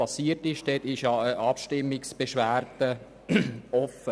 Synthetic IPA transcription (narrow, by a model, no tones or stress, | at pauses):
ɑsiːətɪʃd̥etɪʃʔɑpʃtɪmːɪksb̥eʃʋæːrd̥ə | ɔfə